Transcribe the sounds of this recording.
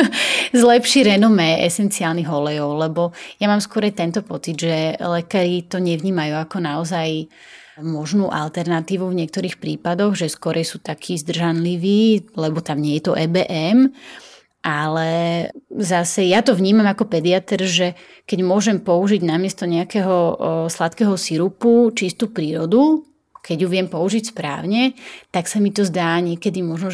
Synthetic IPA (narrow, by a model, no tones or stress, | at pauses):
zlɛpʃiɾɛnɔmɛʔɛsɛnt͡siaːlniɦɔlɛjɔʊlɛbɔjamaːmskɔɾɛjt̪ɛnt̪ɔpɔt͡sid̪ʒɛlɛkaːɾit̪ɔɲɛʋɲiːmajuːakɔnaɔzaj | mɔʒnuːʔa̰lt̪ɛɾnat̪iːʋuvɲɪɛk̚t̪ɔɾiːxpɾiːpad̪ɔɣʒɛskɔɾʔɛjsuːt̪akʰiːzd̪r̩ʒanliʋiːlɛbɔt̪amɲɪɛjɛt̪ɔʔɛbɛʔɛm | ʔalɛ | zasɛjat̪ɔvɲiːmamakɔpɛd̪iat̪ɛɾʒɛ | kɛɟmʊɔʒɛmpɔuʒiɟnamɪɛst̪ɔɲɛakɛɦɔslat̪kɛɦɔsiɾuput͡ʃist̪uːpɾiːɾɔd̪u | kʰɛɟjuʋɪɛmpɔuʒicspɾa̰ːʊɲɛt̪aksamit̪ɔzd̪aːɲɪɛkɛd̪imɔʒnɔ